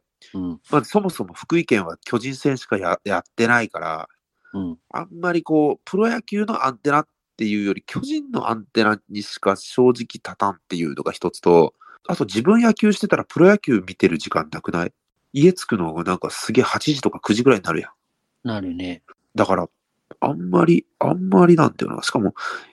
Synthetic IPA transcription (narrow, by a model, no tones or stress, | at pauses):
maso̞mo̞so̞mo̞ɸɯ̟̥kɯ̟ikẽ̞ɰ̃β̞akʲo̞ʑĩɰ̃sẽ̞ɰ̃ɕi̥kajajat̪ːe̞naikaɾa̰ | a̰mːaɾʲiko̞ːpɯ̟ɾo̞jakʲɨːno̞ʔãnt̪e̞nat̪ːe̞jɯ̟ːjo̞ɾʲikʲʰo̞ʑĩnːo̞̰ʔã̰nt̪e̞naɲ̟iɕi̥kaɕo̞ːʑikʲi̥t̪at̪ãnt̪ːe̞jɯ̟̰ːno̞ɡaçi̥t̪o̞t͡sɨ̥t̪o̞ | at̪o̞d͡ʑibɯ̟̃ɰ̃jakʲɨːɕi̥t̪e̞t̪aɾapɯ̟ɾo̞jakʲɨːmʲit̪e̞ɾɯ̟ʑikã̰nːakɯ̟nai | ie̞t͡sɨ̥kɯ̟no̞ɡanãŋkasɨɡʲe̞ːhat͡ɕiʑit̪o̞kakɯ̟ʑiɡɯ̟ɾaiɲinaɾɯ̟̰jã | naɾɯ̟ne | d̪akaɾa | a̰mːaɾʲia̰mːaɾʲinãnd̪a̰jo̰na̰ɕi̥kamo̞